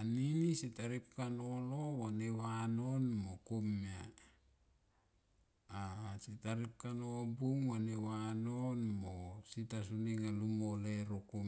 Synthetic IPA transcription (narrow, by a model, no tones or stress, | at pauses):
aninisitaɾip̚kanolowanewano̞nmokomia | sitaɾip̚kanobuŋwanewanonmositas̬uniŋalumoleɾoko